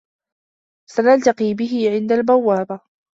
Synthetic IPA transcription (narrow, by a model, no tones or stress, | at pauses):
sanalt̪aqiːbɪɦɪʕɪnd̪albawːaːba